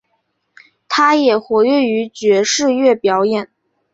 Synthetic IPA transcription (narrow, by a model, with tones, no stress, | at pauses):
t̪ʰa˥jɛ˨˩xwɔ˧˥ɥɛ˥˩y˧˥t͡ɕɥɛ˧˥ʂɻ̩˥˧ɥɛ˥˩pjɑ˧˥ʊjɛ˨˩˦n